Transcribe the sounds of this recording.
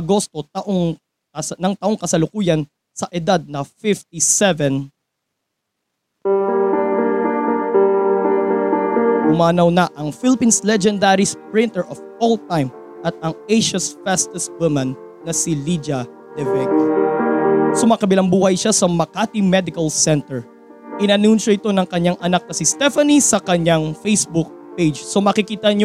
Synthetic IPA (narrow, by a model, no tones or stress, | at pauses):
ʔɐɡo̞st̪o̞t̪ɐʔoŋ | nɐŋt̪ɐʔo̞ŋkɐsɐlʊkuːjɐn | sɐʔɛd̪ad̪̚nɐfɪft̪̚isɛvɛ̃n | ʊmaːnɐwnɐʔɐŋfilɪpinslɛd͡ʒɛnd̪aɾispɹɪ̃nt̪ɛɹʔɔfolt̪ajm | ʔɐt̪̚ɐŋejʃɐsfɛst̪ɛswɪmɐnː | ɐsilid͡ʒɐ | d̪̥ɛvɛk | somakɐbɪlɐŋbuːhɐjʃasɐmɐkat̪imɛd̪ɪkɐlsɛnt̪ɛɹ | ʔɪnɐnunʃɐɪt̪o̞nɐŋkɐɲːaŋʔɐnak̚nɐsist̪ɛfɐnisɐkɐɲaŋfejsbuk̚ped͡ʒso̞mɐkɪkiːt̪ɐɲ